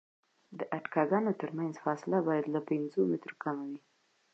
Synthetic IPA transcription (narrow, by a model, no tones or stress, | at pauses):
d̪əʔaʈkɑɡɑnot̪əɾmanzfɑsɪlabɑjad̪lapɪnzomɪt̪ɾokamawi